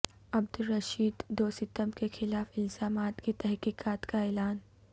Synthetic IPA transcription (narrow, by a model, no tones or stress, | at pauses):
ɐbd̪ʊlɾɐʃiːd̪ːoːsɪt̪əmkexɪlaːfɪlzaːmaːt̪kit̪ɛɦkiːkaːt̪kaɛːlaːn